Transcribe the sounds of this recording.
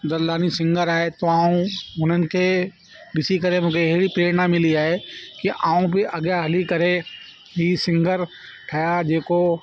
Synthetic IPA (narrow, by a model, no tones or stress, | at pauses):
d̪ɐɾlaːnisɪ̃ŋɡəɾaːet̪oaːũʊnənɪ̆kʰe | bɪsikəɾemʊ̃kʰeɛɦɽipɾeːɾnamɪliaːekiʔaːũpeʔɐɡjaɦɐlikɐɾe | ɦisɪ̃ŋɡəɾ | ʈʰɐjad͡ʒeːko